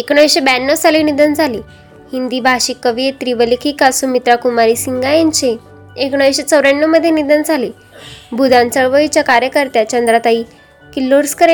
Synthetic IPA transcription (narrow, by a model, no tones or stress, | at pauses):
ekɳ̃əʋeɕebɛnːot͡saliːnid̪ənd͡zʱaliː | hind̪iːbʱaɕikːəʋiet̪ɾiʋəlikʰikasumit̪ɾakumaɾiːsiŋɡajẽnt͡ɕe | ekɳ̃əʋeɕet͡səwɾeɳːoməd̪ʱːjenid̪ənd͡zʱaliː | bʱud̪ʱãnt͡səɭʋəʋit͡ɕjakaɾjəkəɾt̪jat͡ɕənd̪ɾat̪aɦiː | kilːoɾskəɾe